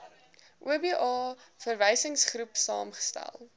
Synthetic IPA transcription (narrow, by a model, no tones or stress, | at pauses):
ʔuəbiʔɑːfərvɛjsəŋsχɾupsɑ̰ːmχə̥stæ̰lˠ